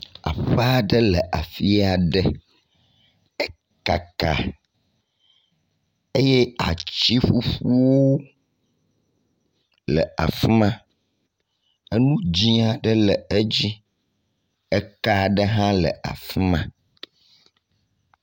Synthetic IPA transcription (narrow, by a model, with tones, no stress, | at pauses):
a̰˨ɸə˦a˨ɖə˦lə˨ʔa˨fi˦a˨ɖə˦ | ɛ˦ | ka˨ka̰˨ | e˦je˦a̰˨t͡ɕi˦ɸu˦ɸu˦wo˦ | lə̰˨a̰˨fi˦mã˦ | ə˦nũ˦d͡ʑĩ˦a˨ɖə˦lə˨e˦d͡ʑi˦ | ɛ˦ka˦˨ɖə˦ɦã˦lə̰˨ʔa̰˨fi˦mã˦